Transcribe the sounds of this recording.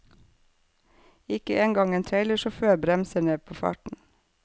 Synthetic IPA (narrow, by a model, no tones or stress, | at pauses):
ɪkəʔeːŋɡɑŋeːnt̪ʰɾeɪləʃoːføːɾbɾɛmsəneːpʰoːfɑ̰ːʈn̩